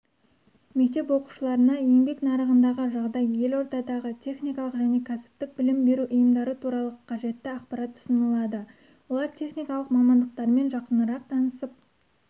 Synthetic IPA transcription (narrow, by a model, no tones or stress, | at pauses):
me̞k̚t̪e̞pwo̞qu̥ʃəlˠɑɾənɑje̞ŋbe̞knɑɾəʁənd̪ɑʁəʒɑʁd̪ɑjːe̞lo̞ɾd̪ɑd̪ɑʁət̪ʰe̞χnijkɑlˠəqʒæne̞kʲʰæsɪ̥p̚t̪ɪk̚bɪlɪmbe̞ɾuʔʊjəmd̪ɑɾət̪ʰuɾɑlˠəqʰɑʒe̞t̪ːɪɑχpɑɾɑt̪ːʰʊ̥sənəlˠɑd̪ə | wo̞lˠɑɾt̪ʲʰe̞χnijkɑlˠəqmɑmɑnd̪əqt̪ɑɾme̞nʒɑqənəɾɑq̚t̪ʰɑnəsəp̚